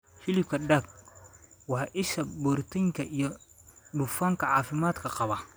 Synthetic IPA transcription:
fɪlɪb̚kʰɐɖɐɡ̚ | wɑħʔɪʃɐbɔrt̪ʰiŋkʰɐʔijɔɖʊfaːŋkʰɐʕɑːfɪmaːd̪kʰɐqɑβɐ

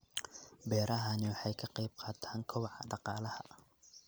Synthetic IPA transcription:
bɛːɾɐɦɐnɪwɑħɑjkʰɑqɑjb̚qʰɑːt̪ʰaːŋkʰɔwɑʕɑ̰ɖɑqɑːlɐhɐ

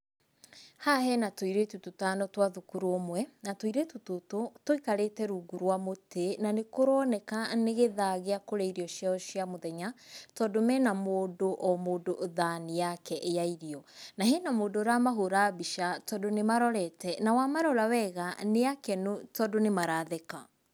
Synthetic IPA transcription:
hahɛnatoiɾetutotanɔtwaðukuɾomwɛnatwoiɾetutototoikaɾetɛɾuɡuɾwamotenanekoɾɔnɛkaneɣeðaɣeakoɾɛiɾiɔʃjaɔʃiamoðɛɲatɔdomɛnamoːdoʔɔmoːdoðanijakɛʔejaiɾiɔnaɦenamoːdoɾamaɦoɾabiʃatɔdonemaɾɔɾɛtɛnawamaɾɔɾawɛɣaneakɛnotɔdonemaɾaðeka

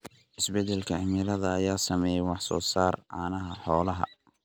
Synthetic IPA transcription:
ʔɪsbɛd̪ɛlkʰɐɪmɪlɐðɐːjaːsɐmɛjɛwɑħsɔ̰ːsaːrʕa̰ːnɐɦɐħɔːlɐɦɐ̰

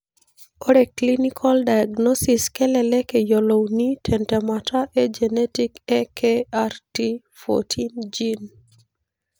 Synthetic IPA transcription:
oɾɛklinikʰɔldajaɡnɔsiskɛlɛlɛkejolownitʰɛntɛmataʔed͡ʒɛnɛtikɛkʰearti | fo̰tʰind͡ʒin

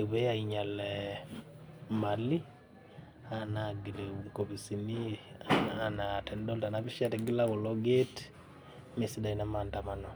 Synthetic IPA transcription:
βɛjaiɲalɛ | mali | anaɡilekoβisini | anatɛndɔltanaβiʃatiɡilaβɔlɔɡet | mesidainamantamanɔ

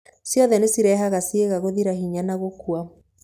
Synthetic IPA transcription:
sjɔðɛnesiɾɛɦaɣasieɣaɣoðiɾaɦiɲanaɣokwa

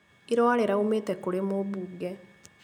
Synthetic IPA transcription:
iɾɔaleɾaumeːtɛkːoɾemobuːɡɛ

